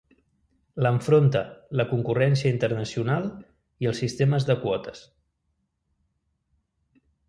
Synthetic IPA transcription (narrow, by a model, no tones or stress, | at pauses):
ləɱfɾont̪ələkuŋkurɛnsiəint̪ərnəsiunalˠ | iəlˠsist̪eməzðəkwɔt̪əs